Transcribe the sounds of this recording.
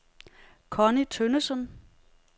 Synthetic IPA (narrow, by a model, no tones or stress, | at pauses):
kʰɒnit͡sʰønəsən